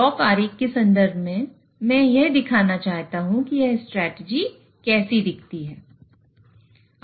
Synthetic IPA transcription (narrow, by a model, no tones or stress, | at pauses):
ɔːkaːɾiːkːesɐ̃nd̪əɾbʱmẽ | mɛ̃ːjeɦd̪ɪkʰaːnat͡ʃaːɦt̪aɦũkijeɦsʈɾɛːʈed͡ʒi | kɛːsid̪ɪkʰt̪iɦɛː